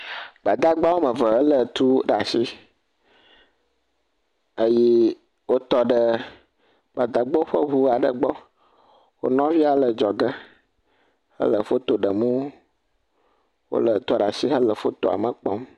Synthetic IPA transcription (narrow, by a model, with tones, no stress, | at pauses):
ɡ͡ba˨d̪a˦ɡ͡ba˦wo˦mə̃˨və˨ɦə˦lə˨t̪u˦ɖa˨si˦ | ə˦ji˦ | wo˦t̪ɔ˦ɖə˦ | ɡ͡ba˨d̪a˦ɡ͡bɔ˦ɸə˦ɦu˦a˨ɖə˨ɡ͡bɔ˦ | wo̰˦nɔ̃˦vi˦a˨lə˨d͡ʒɔ˨ɡə˦ | hə̰˦lə˨fo˦t̪o˨ɖə˨mũ˦ | wo̰˦lə˨t̪ɔ˨ɖa˨si˦ɦə˦lə˨fo˦t̪o˨a̰˨mə˨k͡pɔ˦m